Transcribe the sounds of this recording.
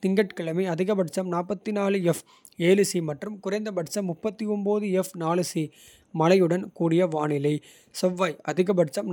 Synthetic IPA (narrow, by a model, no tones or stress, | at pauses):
t̪ɪŋɡɐʈkɐɭɐmiɐðɪɣɐbɐʈt͡ʃɐmnaːpːɐt̪ːinaːlɯɛf | eːlɯsimɐʈrɯmkʊrɐɪnd̪ɐbɐʈt͡ʃɐmːʊpːɐt̪ːiɔmboːðɯɛfnaːlɯsi | mɐlɐjɯɽɐnkuːɽɪjɐʋaːɳɪlɐɪ | sɔʋːaːjɐðɪɣɐbɐʈt͡ʃɐm